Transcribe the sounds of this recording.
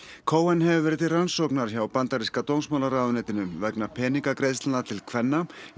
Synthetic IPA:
kʰoːwɛnhɛvɪvɛɾɪt̪ɪransowknaɾ̥çawpant̪aɾiskat̪ownsmawlaɾaːðʏnɛːt̪ɪnʏmvɛknapʰɛːniŋkakɾejðst̪anat̪ʰɪlkʰvɛnːa

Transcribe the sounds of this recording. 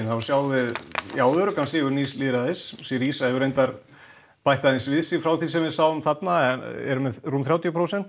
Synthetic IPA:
nθavaɾsjaːwvɪðjaːwðʏɾʏkʰanskɪɣʏɾniːslɪːɾaðɪssɪɾiːsaɛvʏɾejnt̪aɾ | pajht̪aðɪnsvɪðsɪfɾawθisɛmvɪðsawʏmθat̪naɛɛ̰ɾʏmɛðrumθɾjaːwt̪jpʰɾowsɛn̥t̪

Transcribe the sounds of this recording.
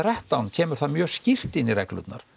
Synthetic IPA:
rɛht̪awncʰɛːmʏɾ̥θaðmjœːscɪr̥t̪ɪnːiɾɛ̰klʏ̰t̪na̰ɾ̥

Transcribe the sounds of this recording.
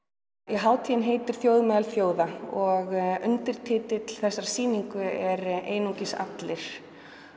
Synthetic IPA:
ɛɦaːwt̪ʰiːjɪnɦeːjt̪ɪɾ̥θjowðmɛːðalθjoːwðaɔɣʏnt̪ɪɾ̥t̪ʰɪːt̪ɪt̪ʰɪlθɛsːaɾḁsiːniŋkʏɛɾḛːjnucɪsa̰t̪lɪɾ̥

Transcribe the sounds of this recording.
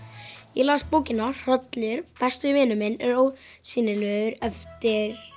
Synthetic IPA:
jɛlaːst̪poːwcɪnːar̥œt̪lɛʏɾpɛst̪ɪvɪːnʏmɪnɛɾowsɪːnɪlœːðʏɾɛft̪ɪɾ̥

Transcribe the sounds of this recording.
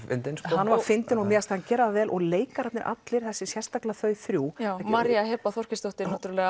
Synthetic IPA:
fɪ̰nt̪ɪnshanvaɾfɪnt̪ɪnɔɣmɛːast̪hancɛːɾaðvɛːlʔɔɣleːjkaɾat̪nɪɾʔa̰t̪lɪɾ̥θɛsːɪsjɛr̥st̪aklaθœːɥθɾjuːamaɾjahɛpːaθɔr̥cɪst̪oht̪ɪnaht̪ɾlɛɣa

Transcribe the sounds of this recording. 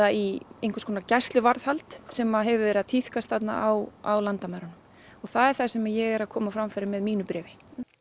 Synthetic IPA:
aiejŋkʰʏ̥skʰɔːnacast̪lʏvaɾð̥halt̪sɛmaɦɛvʏvɛɾɪðat̪ʰiθkast̪θat̪na̰ʔawawlant̪amaɾanʏm | ɔɣθaðɛɾ̥θasɛmajɛɣɛɾaðkʰɔːmafɾamfɛɾɪmɛðmiːnʏpɾɛːvɪ

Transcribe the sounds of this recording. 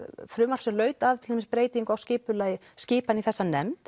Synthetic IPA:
fɾʏːmaɾ̥sɛmlœːɥt̪aðt̪ʰɪ̥lemɪspɾeːjt̪iŋkawscɪːpʏlaːjɪ | scɪːpaniθɛsːanɛmt̪

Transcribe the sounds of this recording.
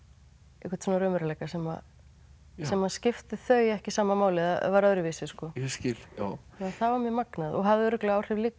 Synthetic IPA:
ehkʰvḁɾt̪sɔnaɾœːmʏɾalɛjkasɛma̰ | sɛmaðscɪft̪ɪθœːɥjɛhcɪsaːmamaːwlɪavaɾœðɾʏviːsɪskɔscɪla | aθavaɾmjɛmaknaðɔ̰ɣɦaðɪʏɾʏklɛɣawr̥ɛvlɪk

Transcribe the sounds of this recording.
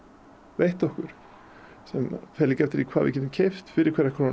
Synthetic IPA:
vejht̪ɔhkʏɾ̥ | sɛmfɛːlɪkɛft̪ɪɾikʰaːðvɪ̰cɛːt̪ɪmcʰejft̪fɪɾɪɾkʰɛːɾɛhkʰaɾa

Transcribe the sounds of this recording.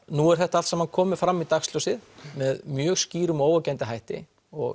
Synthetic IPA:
nuɛɾ̥θɛht̪aalsɛmankʰɔːmɪ̥fɾamːit̪axst̪lɔwsɪðmɛðmjœːɣsciːɾʏmoːwacajnt̪ɪɦajht̪ɪ̰ | ɔ̰ɣ

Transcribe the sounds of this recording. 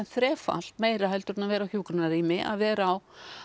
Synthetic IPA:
nθɾɛːfa̰l̥t̪meːjɾaɦajlt̪ʏɾnavɛːɾawçjuːkɾʏnariːmɪʔa̰ðvɛːɾaːw

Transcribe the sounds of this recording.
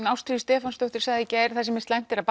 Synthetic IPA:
nawst̪ɾiðst̪ɛːfanst̪œwht̪ʏɾ̥saɣðɪcɛɾθasɛmɪ̥st̪lajn̥t̪ɛɾaðp

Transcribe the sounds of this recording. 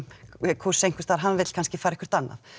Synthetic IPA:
kʰvursejŋkvɪst̪aɾɦanːvɪt̪l̥kʰanscɪfaːɾɛkvɪɾ̥t̪anːa̰θ

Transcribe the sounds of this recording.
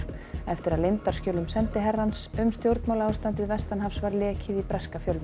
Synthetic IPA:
ɛft̪ɪɾaðlɪnt̪ar̥scœːlʏmsɛnt̪ɪɦɛrːansʏmst̪jowɾt̪mawlaaːwst̪ant̪ɪðvɛst̪anɦafsvaɾlɛːcʰɪðipɾɛskafjœlv

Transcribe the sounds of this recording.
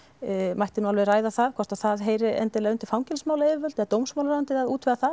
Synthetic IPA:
majht̪ɪnualvɛðraːjðaθaðkʰvɔ̥t̪aθaðɦeːjɾɪɛ̰nt̪ɪlɛɣʏnt̪ɪɾ̥fawŋcɛlsmaːwlaɛvɪvœlt̪ɛðat̪owmsmawlɾawʏnt̪ɪðaðuːt̪vɛðaθað

